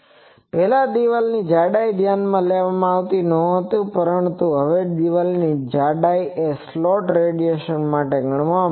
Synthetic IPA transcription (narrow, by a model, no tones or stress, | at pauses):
pɛɦlad̪iʋəlnid͡ʒaɖajd̪ʱjanmãleʋamãaʋt̪inɔ̃ɦət̪ũpəɾəɳt̪ũɦəʋed̪iʋəlnid͡ʒaɖaieslɔʈɾeɖijeʃənmaʈeɡəɳma